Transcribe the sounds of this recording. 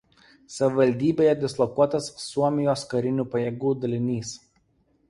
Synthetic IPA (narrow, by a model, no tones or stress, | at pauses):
sɐʋʲɪʋɐlʲd̪ʲiːbʲeːjɛd̪ʲɪslˠɔkuɔt̪ɐsːuɔmʲɪjoːskɐɾʲɪnʲuːpɐjeːɡuːd̪ɐlʲɪnʲiːs